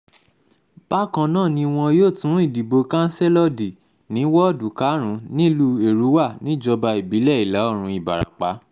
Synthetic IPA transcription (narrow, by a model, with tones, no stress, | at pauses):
b̥a˦kã˧nãː˦˨nĩ˧w̃ɔ̃˧joː˦˨tũ˨˦i˦˨di˨bo˧kã˦n̩˦se˦lɔ˦di˨ | nĩ˨˦wɔ˦˨du˨˦ka˨˦ɾ̃ũ˨˦nĩ˦lu˧˦e˦˨ɾu˨˦wa˦˨nĩ˨˦d͡ʒɔ˧ba˧i˨bi˨˦lɛ˦˨i˨la˨˦ɔ˦˨ɾ̃ũ˧i˨ba̰˨ɾa̰˨k͡pa˨˦